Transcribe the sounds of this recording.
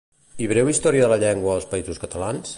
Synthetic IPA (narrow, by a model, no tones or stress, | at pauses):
iβɾɛwist̪ɔɾiəðələʎɛŋɡwəːlˠspəizuskət̪əlans